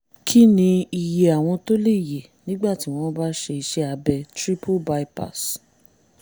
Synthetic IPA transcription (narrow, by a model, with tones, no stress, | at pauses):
kʰi˦nĩ˧i˨je˨a˨w̃ɔ̃˧to˦le˦˨je˨nĩ˦ɡ͡ba˦˨ti˨˦w̃ɔ̃˧˦ba˦ʃe˧i˧ʃe˦a˧bɛ˧tɾi˦pʰo˦˨ba˧i˦pa̰˦˨s